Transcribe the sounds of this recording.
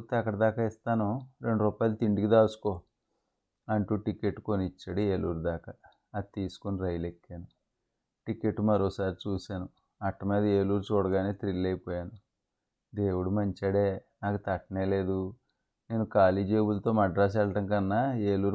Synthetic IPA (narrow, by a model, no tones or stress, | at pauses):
t̪ːeɐkːɐɽɐd̪aːkaist̪aːnuɾe̞ɳɖuɾuːpaːjlɐt̪iɳɖikid̪aːsu̥ko | ɐɳʈuːʈike̞ʈːkonit͡ʃːɐɽieːluːɾud̪aːkɐ | ɐt̪iːsu̥koniɾɐjlekːeːnu | ʈikeʈːumɐɾoːsaːɾit͡ʃuːsaːnu | ɐʈːɐmeːd̪ɐeːluːɾut͡ʃɔːɽɐɡaːneːt̪ɾilːɐjpɔːjaːnu | d̪e̞ːwuɽumɐɲt͡ʃɐɽeːnaːkɐt̪ɐʈːɐneːle̞ːd̪u | ne̞ːnukaːliːd͡ʒeːbulɐt̪o̞ːmɐɖɾaːs̬ɛɭɐʈɐŋkɐnːaeːluːɾ